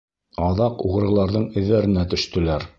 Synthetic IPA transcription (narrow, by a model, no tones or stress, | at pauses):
ɑðɑquʁɤ̆ɾɤ̆lˠɑɾðɤɴɘ̆ðːæɾɘ̆næt̪ɵ̆ʃt̪ɵ̆læɾ